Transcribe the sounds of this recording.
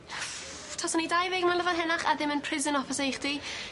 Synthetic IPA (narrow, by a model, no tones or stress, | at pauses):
tʰasɔnidajvɛɡmanləvanɦɛnaχa̰ðɪmənpʰrɪzənɔfɪsejχd̥i